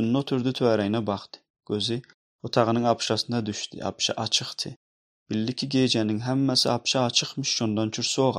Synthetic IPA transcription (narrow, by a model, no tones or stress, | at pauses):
unːot̪ʰyɾd̪ɪt̪ʰøæɾɛjnɛbɑχt̪ʰɨ̥ | ɡ̥ʲøzɪ | ot̪ʰɑʁənɨŋɑpʃɑsɨnɑd̪yʃt̪ʰɪ̰ʔɑ̰pʃɑ̰ʔɑt͡ʃʰɨχt̪ʰɨ̰ | b̥ɪlːɪkʲʰiɡʲed͡ʒɛnɪŋɦɛmːɛsɪ̰ɑpʃɑːt͡ʃʰɨχmɨʃt͡ʃond̪ɑnt͡ʃʰyɾsoːʁɑ̰